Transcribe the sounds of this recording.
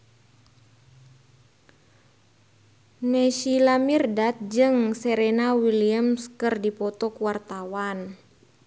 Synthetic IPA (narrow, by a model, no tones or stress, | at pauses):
nɛʃilamirdat̪̚d͡ʒɨŋsɛɾɛnawiliamskɨrdipɔt̪ɔkuwart̪awan